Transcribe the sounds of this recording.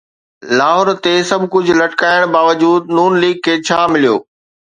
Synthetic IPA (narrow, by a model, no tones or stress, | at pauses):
laːɦʊːɾt̪esɐbʱkʊd͡ʑʱlɐʈkaːɪɽ̃baːʋəd͡ʑuːd̪̚nuːnliːɡ̚kʰeːt͡ɕʰaːmɪlijo̰ː